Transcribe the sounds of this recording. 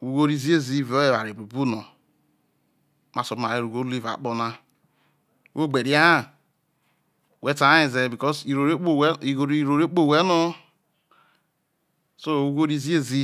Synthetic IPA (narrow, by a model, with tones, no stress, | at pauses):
u˨ɡo˦ɾi˦zi˦e˦zi˦˨ve˨o˦e˨wa˨ɾe˨bu˨bu˦no˨ | ma˨so˨bma˨ɾe˦ɾu˨ɡo˦li˦va̰˨k͡po˨na˦ | wo˦˨ɡ͡be˨ɾi˦a˦˨ | we˦ta˨˦i˨ze˨bi˨kɔ˦si˨ɾo˨ɾe˦k͡po˦i˨ɡo˨ɾi˨ɾo˨ɾe˦k͡po˦˨we˦no˦ | so˦˨u˦ɡo˦ɾi˦zi˦e˦zi˦